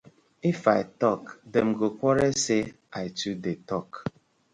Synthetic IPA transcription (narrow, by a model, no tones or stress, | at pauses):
ifaɪtɔkdɛm̩ɡokʷɔɾese | aɪtudetɔk